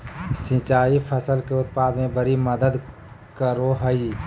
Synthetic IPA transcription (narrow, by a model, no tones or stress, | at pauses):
sĩt͡ʃaːipʰəsəlkeʊt̪̚paːd̪mẽbəɾiməd̪əd̪ | kəɾoɦəiː